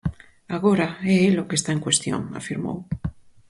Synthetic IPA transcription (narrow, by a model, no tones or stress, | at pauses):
aɣ̞oɾaɛelokest̪aeŋkwest̪jo̰ŋa̰fiɾmo̰w